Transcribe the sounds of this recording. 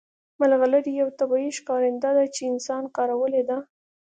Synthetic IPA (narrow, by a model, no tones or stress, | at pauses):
malɣaləɾijawt̪abɑjiʃkɑɾɪnd̪ad̪at͡ʃeɪnsɑnkɑɾawəled̪a